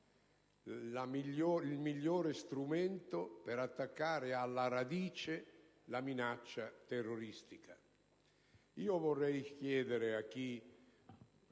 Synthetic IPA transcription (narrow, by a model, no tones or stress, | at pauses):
amioilmiʎːoːɾest̪ɾument̪opeɾat̪ːakːaːɾɪalːaɾad̪iːt͡ʃe | laminat͡ʃːat̪erːoɾist̪ika | iːovorːɛjk̟jɛːd̪eɾeakːi